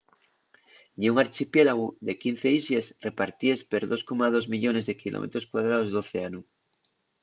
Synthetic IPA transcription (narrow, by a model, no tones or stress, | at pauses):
ɲiuŋaɾt͡ʃipjelaɣuðekin̟θeisesre̞paɾt̪iespeɾðo̞skomað̞ozmiʎone̞zðekilo̰mʔḛt̪ɾoskwað̞ɾaðozðoθeanu